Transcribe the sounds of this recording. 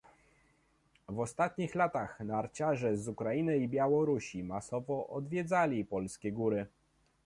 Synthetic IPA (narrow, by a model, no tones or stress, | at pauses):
vɔst̪at̪ɲixlat̪axnaɾt͡ɕaʐɛzukɾainɘibʲjawɔɾuɕimasɔvɔʔɔd̪vʲjɛd̪zalʲipɔlskʲɛɡuɾɘ